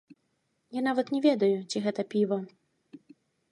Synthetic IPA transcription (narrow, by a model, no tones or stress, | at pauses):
jan̪avɐt̪nʲɛvʲɛd̪ɐjut͡sʲiɣɛt̪ɐpʲivɐ